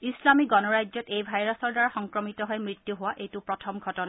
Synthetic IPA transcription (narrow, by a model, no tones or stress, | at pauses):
islamiɡɔnɔɹajzɔtejbʱajɹasɔɹdaɹaxɔŋkɹɔmitɔɦɔjmɹitːjuɦʊwaʔejtʊpɹɔtʰɔmɡʱɔtɔna